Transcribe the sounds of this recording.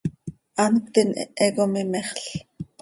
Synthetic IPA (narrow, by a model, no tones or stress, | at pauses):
ɑnkʷt̪inɛkomimɛχɬ